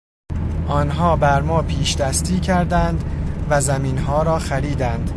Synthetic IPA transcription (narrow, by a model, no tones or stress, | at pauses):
ʔɒːnɦɒːbæɾmɒːpʰiːʃd̪æst̪iːcʰæɾd̪ænd̪væzæmiːnɦɒːɾɒːxæɾiːd̪ænd̪̥